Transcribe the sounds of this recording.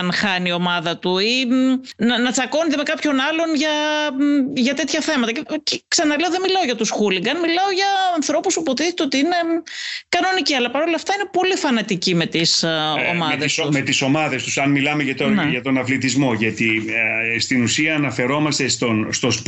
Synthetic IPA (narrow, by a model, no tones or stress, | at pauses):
nxɐnio̞mɐðɐt̪uinɐnɐt͡sɐko̞nit̪eme̞kɐpço̞nɐlo̞nʝɐ | ʝɐt̪e̞t̪çɐθe̞mɐt̪ɐceceksɐnɐleoðe̞milɐoʝɐt̪usxuliɡɐnmilɐo̞ʝɐːnθɾo̞pusupo̞t̪iθet̪eot̪iine̞kɐno̞niciɐlɐpɐɾo̞lɐft̪ɐine̞po̞lifɐnɐt̪icime̞t̪iso̰mɐððesmet̪iso̞mɐðe̞st̪usɐnmilɐmeʝɐt̪oneʝɐt̪o̞nɐflit̪izmo̞ʝɐt̪i | st̪inusiɐːnɐfe̞ɾo̞mɐst̪e̞st̪o̞nst̪o̞sp